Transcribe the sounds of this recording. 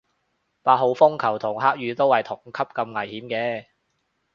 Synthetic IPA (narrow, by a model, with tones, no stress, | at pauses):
paː˧t̚ɦo˨˧wfʊ˥ŋkʰɐ˨˩wt̪ʰʊ˨˩ŋɦaː˥k̚jɥyː˨˧t̪o˥whɐ˨jt̪ʰʊ˨˩ŋkʰɐ˥p̚kɐ˧mŋɐ˨˩jhiː˨˥mkɛː˧